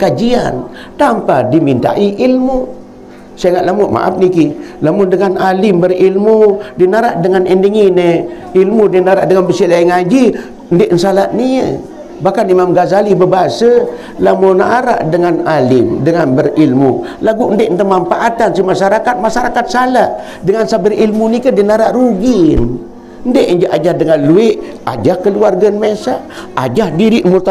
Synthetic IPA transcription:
kad͡ʒian | t̪ampadimint̪a̰ʔiʔilmu | saŋaʔlamʊʔma̰ʔa̰p̚nikilamʊndəŋanalɪmbərilmudinaɾaʔdəŋanəndəŋinə | ilmudinaɾaʔdəŋanbəsilaiŋad͡ʒi | əndeʔnsalaʔ̪̚niə̰ | bahkanimamɡazalibəbaɦasə | lamonaʔːɾa̰ʔdəŋanalɪmdəŋanbərilmṵlaɡundɪʔnt̪əmamfaʔat̪ansimasaɾakat̪̚masaɾakat̪̚salaʔ | dəŋansabəɾilmunikədenaɾaʔɾuɡɪn | əndeʔəɲd͡ʒaʔad͡ʒahdəŋanluɪʔ | a̰d͡ʒahkəluarɡəənmesaʔad͡ʒahdiɾiʔmurt̪a

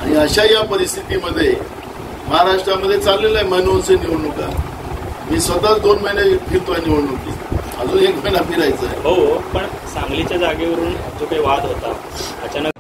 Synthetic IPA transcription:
aɽ̃iəɕajapəɾist̪ʰit̪iməd̪ʱːje | məɦaɾaʂʈɾaməd̪ʱːjet͡salːelajməɦnonseniʋəɭnoka | miːsʋət̪at͡sd̪onməinjabʱiɾt̪ʋaniʋəɭnokḭː | əd͡zuekməjnamiɾajt͡sa̰ḛɦopəɳ | saŋɡlit͡ɕjad͡zaɡeʋəɾuːnd͡zokaiʋad̪ɦot̪aː | t͡ɕanə

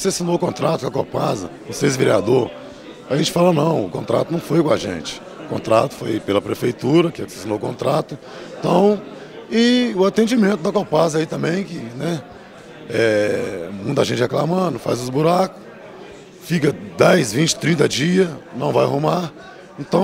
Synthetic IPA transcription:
sasinoʊkõnt̪ɾat̪ʊkɐkopazɐ̰ | osesveɾia̰d̪oɾ | aʒẽnt͡ʃɪ̥falɐnɐ̃w̃ʊkõnt̪ɾa̰t̪ʊnɐ̃w̃fojkõaʒḛ̃t͡ʃɪ̥ | ʊkõ̰nt̪ɾa̰t̪ʊ̥fojpelɐpɾefejt̪uɾɐkɪasḁsinoʊkõnt̪ɾat̪ʊ | et̪ɐ̃w̃ | ɪʊat̪ẽnd͡ʒimẽnt̪ʊd̪ɐkopazɐait̪ɐ̃mbẽj̃kɪnɛ | ɛ | mũj̃t̪ɐaʒẽnt͡ʃɪheklamɐ̃d̪ʊfa̰jzʊzbuɾakʊ̥s | fikɐd̪ɛjzvĩt͡ʃɪ̥t̪ɾĩnt̪ɐd͡ʒiɐnɐ̃w̃vajɦũma | ẽnt̪ɐ̃w̃

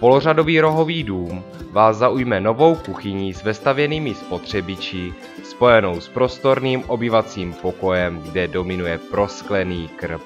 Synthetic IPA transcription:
po̞lorado̞viːɾo̞ɦo̞viːduːmvaːsːaʔujmɛno̞vo̞wkuxɪɲiːzvɛst̪avjɛniːmɪspo̞t̪r̝̥ɛbɪt͡ʃɪ | spo̞jɛno̞wspɾo̞st̪o̞ɾniːmʔo̞bɪvat͡siːmpoko̞jɛmɡdɛdo̞mɪnujɛpɾo̞sklɛniːkr̩p̚

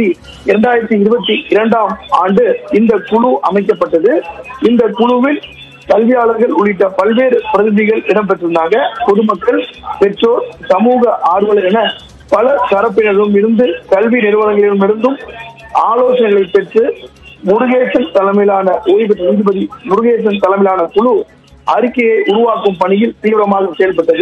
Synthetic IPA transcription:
i | ɪɾɐɳɖaːjɪɾɐt̪ːɯɪɾɯbɐt̪ːiʔɪɾɐɳɖaːmaːɳɖɯɪnd̪ɐkʊɻʊʔɐmɐɪkːɐpːɐʈːɐðɯɪnd̪ɐkʊɻʊʋɪl | kɐlʋɪjaːɭɐɾɣɐɭʊɭɪʈːɐpɐlʋeːɾɯpɪɾɐðɪðɪɣɐɭɛɽɐmpɛʈːrɯɯnd̪aːŋɣɡɐpɔðɯmɐkːɐɭpɛʈroːɾsɐmuːɣɐʔaːɾɯʋɐɭɐɛnɐ | pɐlɐsɐɾɐp̬ːɪnɐɾɯmɪɽɯnd̪ɯkɐlʋinɪɾɯʋɐðɐŋɡɐɭɪɯmɪɽɯnd̪ɯm | aːloːsɐnɐŋɣɐɭɐɪpːɛʈrɯ | mʊɾʊɣeːt͡ʃːɐnt̪ɐlɐmɪlaːnɐʔoːjp̬ɛʈrɯiːðɯbɐðimʊɾʊɣeːt͡ʃːɐnt̪ɐlɐmɪlaːnɐkʊɻʊ | ʔɐɾɪkːɐjɐɪʔʊɾʊʋaːkɯmpɐɳɪjɪlt̪iːʋɪɾɐmaːɣɐsɛjɐlpɐʈːɐðɯ

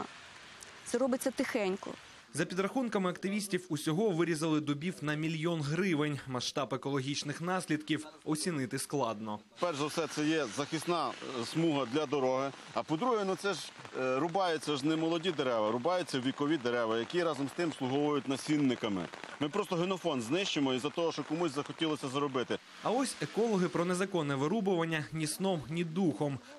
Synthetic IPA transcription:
t̪sɛɾɔbɪt͡sʲːɐt̪ɪxɛnʲkɔ̰ | zɐpʲid̪rɐxunkɐmɪɐkt̪ɪʋʲisʲtʲiwusʲɔɦɔʋɪɾʲizɐlˠɪd̪ʊbʲiwnɐmʲilʲjɔnɦɾɪʋɪnʲmɐʃt̪ɑbekɔlˠɔɦʲit͡ʃnɪxnɑsʲlʲid̪kʲiwɔsʲinɪt̪ɪsklˠɑd̪nɔ | pɛrʒɐwsɛt̪sɛjɛzɐxɪsnɑsmuɦɐd̪lʲɐd̪ɔɾɔɦɪ | ɐpɔd̪ɾuɦɛnut̪sɛʒɾʊbɑjɛt͡sʲːɐʒnɛmɔlˠɔdʲid̪eɾɛʋɐɾʊbɑjʊt͡sʲːɐʋʲikɔʋʲid̪eɾɛʋɐjɐkʲiɾɑzɔmst̪ɪmslˠʊɦɔʋɔjʊtʲnɐsʲinːɪkɐmɪ̰mɪpɾɔst̪ɔɦenɔfɔnznɪʃt͡ʃemɔizɐt̪ɔɦɔʃt͡ʃɔkɔmuzʲsʲzɐxɔtʲilˠɔsʲɐzɐɾɔbɪt̪ɪ | ɐɔsʲekɔlˠɔɦɪpɾɔnezɐkɔnːɛʋɪɾubʊʋɐnʲːɐnʲisnɔmnʲid̪uxɔm

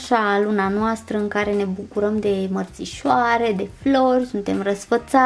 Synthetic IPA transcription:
ʃalunanoast̪ɾəɨŋkaɾe̞ne̞bukuɾəmd̪e̞mərt̪siʃoaɾe̞d̪e̞flo̞rʲsunt̪e̞mrəsfət̪sa

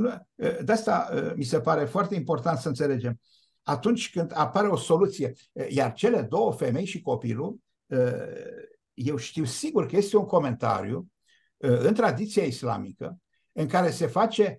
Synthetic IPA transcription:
nud̪east̪aə̰mise̞paɾe̞foart̪e̞impo̞rt̪ant̪səɨnt̪se̞le̞d͡ʒe̞m | at̪unt͡ʃʲkɨnd̪apaɾe̞o̞so̞lut̪sije̞ | jart͡ʃe̞le̞d̪o̞wəfe̞me̞jʃiko̞pḭlu | ə | je̞wʃt̪iwsiɡurkəje̞st̪e̞uŋko̞me̞nt̪a̰ɾḭju | ɨnt̪ɾad̪it̪sijaisla̰mikə̰ | ɨŋkaɾe̞se̞fat͡ʃe̞

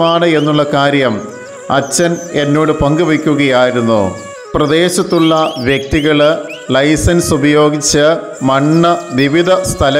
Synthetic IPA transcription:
maːɳɨe̞nːuɭːɐkaːɾjɐm | ɐ̰t͡ɕːɐne̞nːoːɽɨpɐŋɡɨʋɐkʲːuɣɐjaːjiɾunːṵ | prɐd̪e̞ːɕɐt̪ːuɭːɐʋjɐk̚t̪iɣɐɭ | lɐjsɐnsubɐjo̞ːɡit͡ɕːɐ | mɐɳːɐʋiʋid̪ʱɐst̪ʰɐlɐ

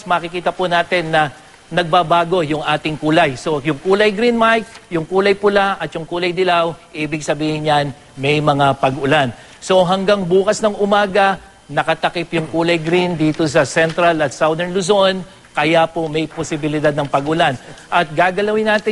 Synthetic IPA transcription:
smɐːkɪkiːt̪ɐpʊnaːt̪ɪnːɐ | nɐɡ̚babaːɡo̞jʊŋʔaːt̪ɪŋkuːlɐjso̞jʊŋkuːlɐjɡɾinmajk̚jʊŋkuːlɐjpʊlaʔɐt̪̚jʊŋkuːlɐjd̪ɪlawʔiːbɪɡ̚sɐbiːhɪɲjan | mɛjmɐŋapɐɡʔʊlan | so̞ɦɐŋɡaŋbuːkɐsnɐŋʔʊmaːɡɐ | nɐkɐt̪ɐkɪpjʊŋkuːlɐjɡɾind̪iːt̪o̞s̬ɐsɛnt̪ɾɐlɐt̪sawd̪ɛɹnlʊzo̞n | kɐjapomɛjposɪbɪlɪd̪ad̪̚nɐŋpɐɡʔʊlanʔɐt̪̚ɡaːɡɐlɐwɪnːaːt̪ɪ

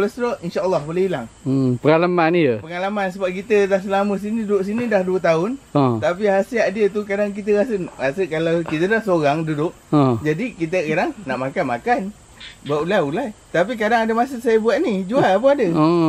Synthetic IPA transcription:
lasɾɔinʃaʔəlːɑhbolehilaŋəpəŋalamanjəpəŋalamans̬əbap̚kit̪ədahs̬əlamə̃s̬inidudʊʔs̬inidahduət̪̬aʊnat̪ap̬iɦasiaʔdiət̪ukadaŋk̬it̪̬əɣasəɣasəkalawkit̪ədahsoɾaŋdudʊʔ | ə̃d͡ʒadikit̪̬əkadaŋnaʔmakanmakan | buaʔulaulajt̪ap̬ik̬adaŋadəmas̬əsajabuaʔnid͡ʒualap̬əadəo

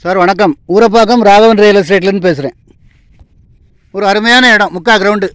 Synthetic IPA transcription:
saːɾʋɐɳɐkːɐmuːɾɐp̬ːaːɣɐmɾaːʋɐʋɐnɾɐjɐlɐsʈɾeːʈːɪlɐɾnːɯp̬eːs̬ɪɾḛ̃ː | ɔɾɯɐɾɯmɐjaːnɐɛɽɐ̃mʊkːaːɡɾɐʋʊɳɖɯ

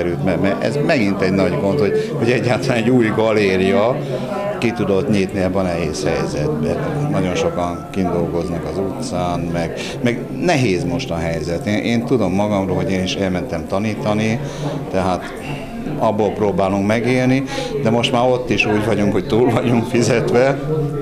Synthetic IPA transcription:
ɾylt̪mɛɡmɛʔɛ̰zmɛɡint̪ɛɟnɒɟɡo̞nt̪ho̞hoɟɛɟːaːt̪ɒlanɛɟuːjɡɒleːɾijɒ | kit̪ud̪o̞t̪ɲiːt̪niɛbːɒnɛɦeːshɛjzɛ̰d̪bɛ̰nɒɟo̞nʃo̞kɒŋ | kind̪o̞lɡo̞znɒkɒzut̪saːnmɛɡ | mɛɡ | nɛɦeːzmo̞ʃt̪ɒɦɛjzɛt̪eːnʔeːnt̪ud̪o̞mːɒɡɒmroːɦo̞ɟeːniʃɛlmɛnt̪ɛmt̪ɒniːt̪ɒni | t̪ɛɦaːt̪ | ɒbːolproːbaːluŋkmɛɡeːlnid̪ɛmo̞ʃt̪maːɾo̞t̪ːiʃuːɟʋɒɟuŋkho̞ct̪uːlvɒɟuŋkfizɛt̪ʋɛ

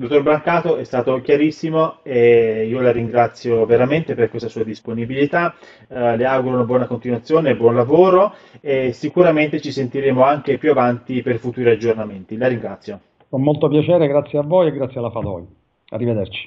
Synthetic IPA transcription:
d̪ot̪ːorbɾaŋkaːt̪oɛst̪aːt̪ok̟jaɾisːimoeiːolaɾiŋɡɾat̪sːjoveɾament̪eperkwest̪asuːad̪isponibilit̪a | leawɡuɾounabwɔːnakont̪inwat̪sːjoːnebwɔnlavoːɾoesikuɾament̪et͡ʃisent̪iɾeːmoaŋk̟epjuavant̪iperfut̪uːɾiad͡ʒːornament̪ilaɾiŋɡɾat̪sːjo | kommolt̪opjat͡ʃɛːɾeɡɾat̪sːjeavːojeɡɾat̪sjalːafad̪ɔ̰j | a̰rːived̪ert͡ʃi̥

